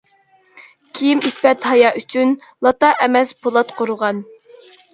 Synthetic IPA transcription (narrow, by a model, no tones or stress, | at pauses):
kʲʰijimyt̪pɛt̪hɑjɑːʔyt͡ʃʰyn | lˠɑt̪ɑʔɛmɛspʰolˠɑt̪qʰoɾʊʁɑn